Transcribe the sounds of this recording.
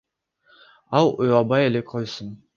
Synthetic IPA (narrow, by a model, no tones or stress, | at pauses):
ɑlˠʊjɑbɑjelekʰojsən